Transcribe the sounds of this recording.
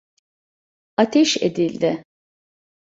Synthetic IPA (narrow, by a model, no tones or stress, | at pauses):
at̪ʰɛʃḛd̪ilʲd̪ɪ